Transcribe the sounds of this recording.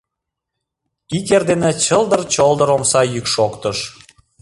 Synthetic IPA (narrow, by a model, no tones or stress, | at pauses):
ikerd̪enet͡ɕəld̪ərt͡ɕold̪əɾomsɑjykʃokt̪əʃ